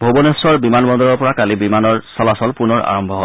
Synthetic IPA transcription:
bʱobonesɔɹbimanbɔnd̪ɔɹɔɹpɔɹakalibimanɔɹsɔlasɔlpunɔɹa̰ɹɔmbʱɔɦɔ

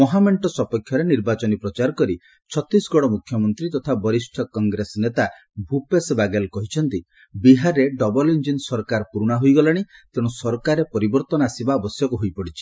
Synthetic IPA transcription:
mɔɦameɳʈɔsɔpɔkʰːjɔɾeniɾbat͡ʃɔnipɾɔt͡ʃaɾɔkɔɾi | t͡ʃʰɔt̪ɾisɡɔɽ̃ɔmukʰjɔmɔnt̪ɾit̪ɔt̪ʰabɔɾisʈʰɔkɔŋɡɾesɔnet̪a | bʱupesbaɡelkɔɦit͡ʃʰɔnt̪i | biɦaɾːeɖɔbɔlind͡ʒinsɔɾkaɾpuɾuɽ̃aɦojɡɔlaɽ̃it̪eɽ̃ũsɔɾkaɾepɔɾibɔɾt̪ɔnɔasibaɔbɔsjɔkuɦojpɔɽit͡ʃʰi̥

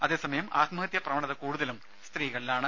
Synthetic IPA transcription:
ɐðe̞ːsɐmɐjɐmaːt̪mɐɦɐt̪jɐprɐʋɐɳɐðɐkuːɽuðɐlum | st̪riːɣɐɭilaːɳɨ

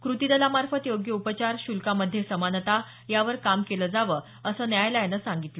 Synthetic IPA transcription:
kɾut̪id̪əlamaɾfət̪joɡjəupət͡ɕaɾɕulkaməd̪ʱːjesəmanət̪a | jaʋəɾkamkeləd͡zaʋəː | əsəːnjajləjanəsãŋɡit̪lə

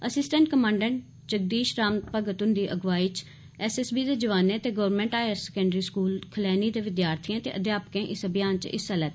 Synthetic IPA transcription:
əsɪsʈə̃ɳʈkəmãːɳɖəɳ | t͡ʃək̚d̪iːʃɾaːmt̪pəɡət̪ʊ̃nd̪iːʔəɡʋaːiːt͡ʃ | ɛːsɛːsbiːd̪eːd͡ʒəʋaːneːt̪eːɡəʋɾmẽːɳʈaːjəɾsɛkə̃ɳɖɾiːskuːlkʰəlɛːniːd̪eːʋɪd̪jaːɾt̪ʰiːãːt̪eːʔəd̪jaːpəkẽːʔɪsəbɪjaːnt͡ʃɪ̰salɛːt̪ː

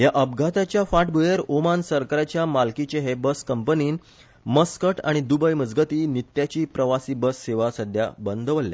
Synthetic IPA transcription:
jaʔəbɡʱat̪at͡ɕjafaʈbujeɾomansəɾkaɾat͡ɕjamalkit͡ɕeɦebəskəmpəniːn | məskəʈʰa̰ɽ̃id̪ubəjməd͡zɡət̪iːnit̪jat͡ɕiːpɾəʋasiːbəsːeʋasəd̪ʱja̰bənd̪ʋəlːja̰

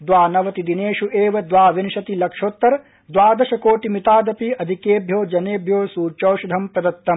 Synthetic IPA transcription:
d̪ʋaːnɐʋɐt̪id̪ineːʃuʔeːʋɐd̪ʋaːʋinʃɐt̪ilɐkʂoːt̪ːɐɾɐ | d̪ʋaːd̪ɐʃɐkoːʈimit̪aːd̪ɐpiɐd̪ʱikeːbʱjoːd͡ʒɐneːbʱjoːsuːt͡ʃɐːʃud̪ʱɐmpɾɐd̪ɐt̪ːɐm

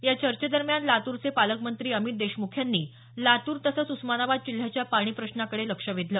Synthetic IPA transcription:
jat͡ɕəɾt͡ɕəd̪əɾmjanlat̪uːɾt͡sepaləkmənt̪ɾiːəmit̪̚d̪eɕmukʰjanːiː | lat̪uːɾt̪əsət͡susmanaʋad̪̚t͡ɕil̤jat͡ɕjapaɽ̃iːpɾəɕnakəɽeləkʂəʋid̪ʱləː

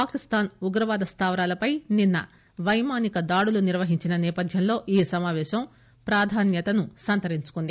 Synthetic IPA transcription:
paːkist̪aːnuɡɾɐʋaːd̪ɐst̪aːʋɾaːlɐpɐjninːɐ̰ | ʋɐjmaːnikɐd̪aːɽuluniɾʋɐɦiɲt͡ʃinɐnɛːpɐd̪ʱjɐnlo̞ːʔiːsɐmaːʋɛːʃɐm | pɾaːd̪ʱaːnjɐt̪ɐnusɐnt̪ɐɾiɲt͡ʃu̥kund̪i

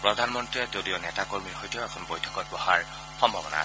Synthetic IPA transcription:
pɹɔdʱanmɔntɹɛtodionɛtakoɹmiɹxojtɛɛkʰɔnbojtʰɔ̥kɔt̚bɔhaɹ | xɔmbʱabɔna̰s

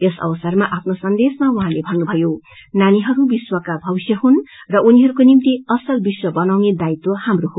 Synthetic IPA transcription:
esʌ̰wʌsʌrmaʔapʰnosʌnd̪esmauɦãlebʱʌrnubʱʌjo | naniɦʌɾubiswʌkabʱʌbisjʌɦunrʌʔuniɦʌɾukonimt̪iʌsʌlbiswʌbʌnawned̪ait̪ohamroɦo

